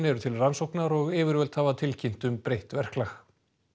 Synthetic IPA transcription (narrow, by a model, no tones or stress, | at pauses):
nɛɾʏt̪ʰɪlransowknaɾɔɣɪːvɪɾvœlt̪haːvat̪ʰɪlcʰin̥t̪ʏmpɾejht̪vɛr̥klax